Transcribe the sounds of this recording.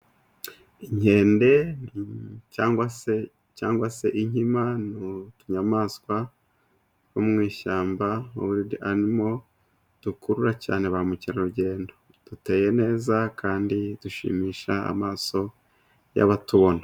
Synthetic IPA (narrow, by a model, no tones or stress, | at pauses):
iɲ̥e̞ːnde̞nicaːŋɡwase | caːŋɡwase̞ʔiɲimanutuɲamaːskwa | womŋiːʃaːmbaṵβuɾidiaɾimo̞ | d̥ukuɾuɾacaːne̞βamuciɾaɾuɟe̞ːndo̞ | d̥ute̞ːje̞ne̞ːzakʰaːndid̥uʃḭmiːʃaa̰maːso̞ | ja̰βatuβo̞na